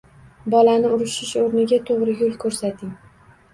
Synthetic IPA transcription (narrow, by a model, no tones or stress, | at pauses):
bɒlanɪʊɾɪʃɪʃoɾnɪɡʲat̪ʰoʁɾɪjʊlˠkʰɵɾsat̪ʰɪŋ